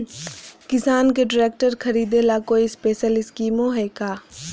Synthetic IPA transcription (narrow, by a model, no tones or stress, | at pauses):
kɪsaːnkeɖɪɾeːk̚ʈəɾkʰɐɾiːd̪elakoːispeːʃəlɪskiːmõɦɛːkaː